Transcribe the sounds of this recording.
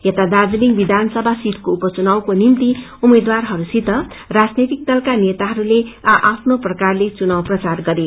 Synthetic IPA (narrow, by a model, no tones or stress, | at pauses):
jet̪ad̪ad͡zuliŋbid̪ʱansʌbʱasit̪koupʌt͡sunawkonint̪i | umed̪warɦʌɾusit̪ʌ | rad͡znet̪ik̚t̪ʌlkanet̪aɦʌɾuleaʔapʰnoprʌkarlet͡sunawprʌt͡sarɡʌɾe